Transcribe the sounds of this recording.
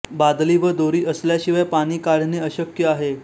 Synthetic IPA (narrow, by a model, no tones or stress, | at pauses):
bad̪liːʋəd̪oɾiːʔəsljaɕiʋajpaɽ̃iːkaɽ̤neəɕəkjəaɦe